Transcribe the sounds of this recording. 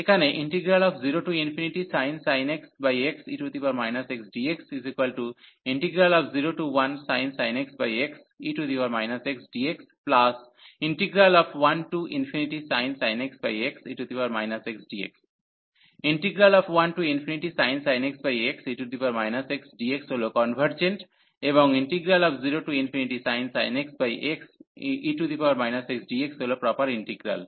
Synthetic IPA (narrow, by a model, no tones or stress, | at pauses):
ekaneʔĩɳʈiɡɾalɔːfziɾoːʈuːĩnfʰiniʈisãɪnsaɪneksbajeksiːʈut̪ʰipaɾmaɪnaseksɖiːeksizikʋɐlʈu | ĩɳʈiɡɾalɔːfziɾoːʈuʋɐ̃nsãɪnsaɪneksbajeks | iːʈud̪iʋaɾmaɪnaseksɖieksplas | ĩɳʈiɡɾalɔːfʋɐ̃nʈuʔĩnfʰiniʈisãɪ̃nsaɪneksbajeksiːʈut̪ʰipaːɾmaɪnaseksɖiḛks | ĩɳʈiɡɾalɔːfʋɐnʈuːĩnfiniʈisaɪ̃nsaɪneksbajeksiːʈud̪ipɐɾmaːjnaseksɖieksolokɔːnʋʱəɾd͡ʒẽɳʈ | ebɔ̃ŋĩɳʈiɡɾalɔːfziɾoʈuːĩnfʰiniʈisaɪ̃nsaɪneksbajʔeksiːʈut̪ipaːɾmaːɪnaseksɖieksolopɾɔːpəɾĩɳʈiɡɾa̰l